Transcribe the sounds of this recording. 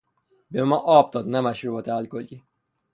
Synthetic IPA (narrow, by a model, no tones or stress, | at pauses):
bemɒːʔɒːb̚d̪ɒːd̪næmæʃɾuːbɒt̪ʰeælkolɡi